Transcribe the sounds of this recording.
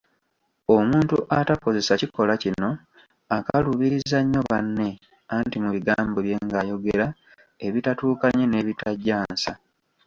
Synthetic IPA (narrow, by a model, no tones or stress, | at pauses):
omuːntuʔatako̞ze̞saciko̞lacino̞ | akaluβiɾizaɲːo̞βanːe̞ | antimuβiɡaːmboβje̞ŋɡajo̞ɡeɾa | e̞βitatuːkaɲe̞ne̞ːβitaɟːaːnsa